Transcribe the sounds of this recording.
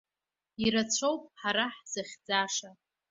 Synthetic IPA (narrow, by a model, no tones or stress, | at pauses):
iɾat͡ɕʷʰowpʼħaɾaħz̥aχʲd͡zaʂa